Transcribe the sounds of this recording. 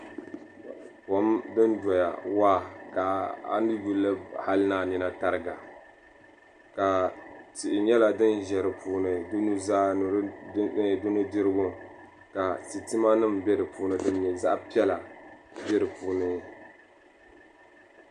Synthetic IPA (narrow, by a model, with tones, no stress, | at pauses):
ko˨˦mdɨ˦ndɔ˨ja̰˨waː˦ka˨a̰˨nɨ˦ju˦lɨ˦ha˦lɨ˦naː˦˨ni˦na˦ta˨ɾɨ˦ɡa˨ | ka˨ti˨ʔɪ˨ɲɛ˦la˨dɨ˦nʒɛ˨ɾɨ˨puː˨˦nɨ˨du˦nu˦zaː˦n˨ɾ | dʊ˦nu˦dɨ˦ɾɨ˦ɡʊ˦ | ka˨tɨ˨tɨ˦ma˦nɨ˦mbɛ˦dɨ˨puː˦nɨ˦dɨ˦n˦ɲɛ˨za˦ʔpi˦ɛ˦la˨bɛ˦ɾɨ˨puː˨˦nɨ˦˨